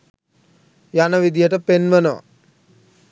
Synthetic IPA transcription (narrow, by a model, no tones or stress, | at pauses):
janəʋid̪ijəʈəpenʋənəʋa̰